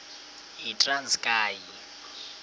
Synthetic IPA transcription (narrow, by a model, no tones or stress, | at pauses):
ɦitʼranskʼaːji